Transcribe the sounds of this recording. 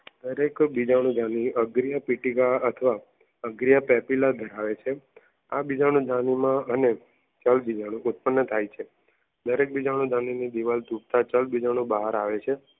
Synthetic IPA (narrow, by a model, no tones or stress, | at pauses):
d̪̥əɾekbid͡ʒaɽ̃ũd̪ʱaniəɡɾijapiʈikaət̪ʰəʋa | əɡɾijapɛpilad̪ʱəɾaʋet͡ʃʰe | abid͡ʒaɽ̃ũd̪ʱanimãəne | t͡ʃəlbid͡ʒaɽ̃ũʔut̪̚pənːət̪ʰajt͡ʃʰe | d̪əɾek̚bid͡ʒaɽ̃ũd̪ʱãninid̪iʋalt̪up̚t̪at͡ʃəlbid͡ʒaɽ̃ũbəɦaɾaʋet͡ʃʰe